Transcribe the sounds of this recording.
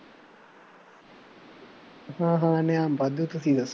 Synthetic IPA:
hãːɦãːnejaːmbɐd̪ut̪usid̪ɐs

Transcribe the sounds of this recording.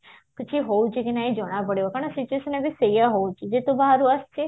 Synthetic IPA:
kət͡ʃʰiɦout͡ʃʰekenaid͡ʒəɽ̃apəɽeʋakaɳ̃asit͡ʃueʃənebisejaɦout͡ʃʰed͡ʒet̪obaɦaɾuast͡ʃʰe

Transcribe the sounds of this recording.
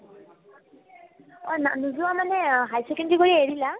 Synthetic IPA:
ɔna̰nuzuwamanɛɦajsɛkɛndikoɹieɹila

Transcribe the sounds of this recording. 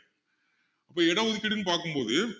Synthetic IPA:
ɐpːoːɛɽɐʊðɪkːɐɽɪnːɯpaːɾkɯmpoːðɯ

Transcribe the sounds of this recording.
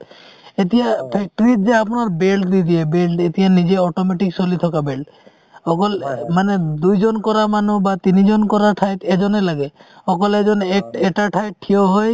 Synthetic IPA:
et̪ijapʰɛk̚ʈɔɾid͡ʒeapɔnaɾbelʈd̪id̪iebelʈet̪ijanid͡ʒeɔʈomeʈiksolit̪ʰɔkabelʈ | ɔkɔlmaned̪ujd͡ʒɔnkɔɾamanubat̪inid͡ʒɔnkɔɾaʈʰajt̪ed͡ʒɔnelaɡeɔkɔled͡ʒɔnekeʈaʈʰajʈʰioɦɔj

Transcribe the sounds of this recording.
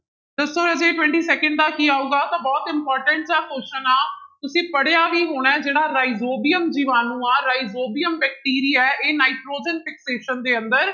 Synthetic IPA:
d̪əsoːəd͡ʒeːʈwɛ̃ɳʈiːsɛːkə̃ɳɖ̚d̪aːkiːaːuːɡaːt̪ãːbɔːt̪ɪmpɔːɾʈə̃ɳʈd͡ʒaːkoːʃənaːt̪ʊsĩːpəɽejaːʋiːɦoːɽ̃ɛ̃ːd͡ʒeːɽaːɾaːizoːbijəmd͡ʒiʋaːnũːaːɾaːizoːbijəmbɛːk̚ʈiːɾiːɛːʔeːnaːiʈɾoːd͡ʒənpɪkseːʃənd̪eːə̃nd̪əɾ

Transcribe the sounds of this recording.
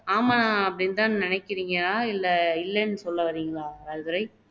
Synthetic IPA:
aːmɐnãːɐpːɐɽɪnt̪ãːnnɪnɐɪkːɪɾiːŋɡɐaːɪlːɛɪlːɛnːɯsɔlːɐʋɐɾiːŋɡɐɭaːɾɐɾɯðɯɾɐɪ

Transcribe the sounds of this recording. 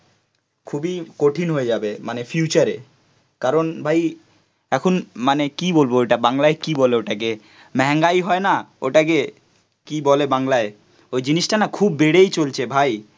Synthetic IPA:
kʰubikoʈʰinɦoed͡ʑabemanefʰjut͡ɕaɾe | kaɾonbʱaj | ɛkʰunmanekibolboejʈabaŋlaekibɔleoʈake | mɛɦŋɡajɦɔenaoʈak̬e | kibɔlebaŋlae | ojd͡ʑiniʃʈanakʰubːeɽejt͡ɕolt͡ɕʰebʱaj

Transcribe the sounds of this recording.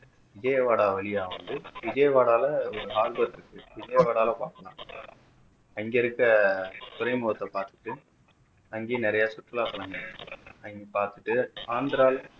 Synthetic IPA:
ʋɪd͡ʒɐjɐʋaːɽaːʋɛɭɪjaːʋɐnd̪ɯʋɪd͡ʒɐjɐʋaːɽaːlɐɔɾɯɦaːɾbɐɾɪɾɯkːɯʋɪd͡ʒɐjɐʋaːɽaːlɐ̃paːɾkɐlã̰ː | ɐŋɡeɪɾɯkːɐt̪ʊɾɐɪmoːʋɐt̪ːɐpaːɾt̪ɯ̥ʈːɯ | ɐŋɡeːnɪɾɐjaːsʊʈːɯlaːsɐlɐŋɡɐɯɐŋɡepaːɾt̪ɯʈːɯaːnd̪ɾaːl

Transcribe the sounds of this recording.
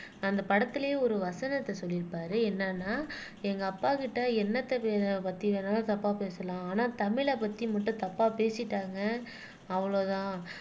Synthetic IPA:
ɐnd̪ɐpɐɽɐt̪ːɪlɐjeːɔɾɯʋɐsɐnɐt̪ːɐsɔlːɪɾɯpːaːɾɯɛnːɐnːaː | ɛŋɡɐːpːaːkɪʈːɐɛnːɐt̪ːɐpepɐt̪ːiʋenaːlt̪ɐpːaːpeːsɐlãːaːnaːt̪ɐmɪɭɐpɐt̪ːimɐʈːɯ̃t̪ɐpːaːpeːsɪʈːaːŋɡɐ | ɐʋɐɭoːt̪ãː

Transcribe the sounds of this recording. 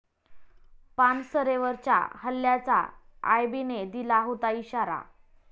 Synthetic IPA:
pansəɾeʋəɾt͡ɕa̰həlːjat͡sa̰a̰jbined̪ilaɦot̪aiɕaɾa̰

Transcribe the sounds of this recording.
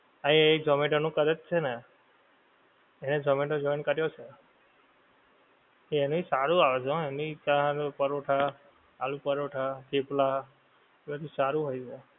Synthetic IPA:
aied͡ʒəmẽʈonũkəɾət̪̚t͡ʃʰene | ened͡ʒəmẽʈod͡ʒɔjnkəɾjot͡ʃʰe | eenũisaɾũaʋet͡ʃʰõenit̪jãpəɾoʈʰaː | lũpəɾoʈʰat̪ʰepla | ebəd̪ʱusaɾũɦojt͡ʃʰe

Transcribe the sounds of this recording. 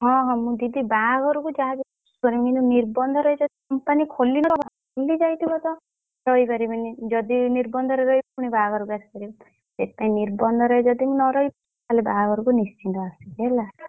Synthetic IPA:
ɦɔ̃ɦɔ̃mũd̪id̪ibaɡɔɾukud͡ʒaɡ | skɔɾiminũniɾbɔnd̪ʱɔɾɔjd͡ʒɔd̪ikɔmpanikʰolːinɔɾɔbʱa | kolːid͡ʒajt̪ʰibɔt̪ɔ | ɾɔɦibaɾibanid͡ʒɔd̪iniɾbɔnd̪ʱɔɾeɾɔɦipuɽ̃ibaɡɔɾubaskɔɾibɔ | sespaĩniɾbɔnd̪ʱɔɾɔed͡ʒɔd̪imunɔɾɔip | t̪alebaɡɔɾukunist͡ʃʰint̪ɔasikela

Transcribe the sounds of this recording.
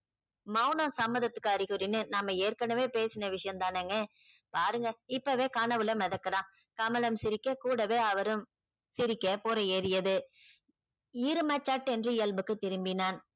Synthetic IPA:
mɐʊnɐ̃sɐmːɐðɐt̪ːɯ̥kːɯɐɾɯɣɯɾɪnɯnaːmːɐeːɾkɐɳɐʋeːpeːsɪnɐʋɪʂɐjɐmt̪aːnɛŋɡɐpaːɾɯŋɡɐɪpːɐʋeːkaːnɐʋɯlɐmɛðɐkːɯɾãː | kɐmɐlɐmsɪɾɪkːɐkuːɽɐʋeːɐʋɐɾɯm | sɪɾɪkːɐpoːɾɐeːɾɪjɐðɯ | ɪɾɯmɐt͡ʃːaːʈːɛndrɯɪjɐlbɯkːɯt̪ːɪɾɯmbɪnaːn

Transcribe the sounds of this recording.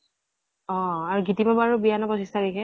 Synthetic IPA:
ɔaɹuɡitibabaɹubianɔbɔsistʰaɹɛkɛ

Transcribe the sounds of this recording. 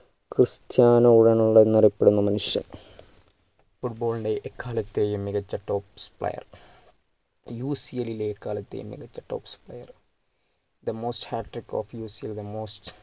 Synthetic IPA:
krɨst̪jaːnɐuɽɐnuɭːɐnirɐpːeɽunːɐmɐnuʂjɐ̰n | fuʈ̚bo̞ːlɳɖeʔekːaːlɐt̪ːe̞ːjumːiɣɐt͡ɕːɐʈːo̞ːpspɭɐ̰jɐ̰r | juːsielileːkːaːlɐt̪ːḛjṵmːḭɣɐt͡ɕːɐʈːo̰ːpsplɐ̰jɐr | d̪ɐmoːsthaːʈːriko̰fjuːsield̪ɐmoːst

